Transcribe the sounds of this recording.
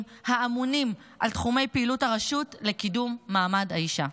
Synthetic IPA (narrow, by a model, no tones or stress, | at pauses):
haamunim | ʔaltχume̞jpeiluthaʁaʃutlekidumːaːmadhaiʃa